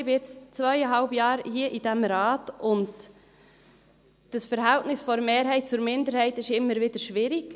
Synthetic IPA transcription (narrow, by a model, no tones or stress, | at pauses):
ɪbɪjɛt͡st͡svœʏəɦɑlbjɑːɾhiːəʔidɛmɾɑːtʊnd | d̥əsfəɾɦɛltnɪsfɔɾmeːɾɦɛɪt̚t͡sʊɾmɪndəɾhɛɪtɪʃɪmːəɾvɪd̥əɾʃʋɪɾik